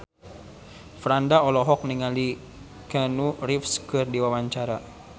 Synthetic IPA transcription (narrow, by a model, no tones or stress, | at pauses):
fɾandaɔlɔɦɔk̚niŋali | kanurifskɨrdiwawaɲt͡ʃaɾa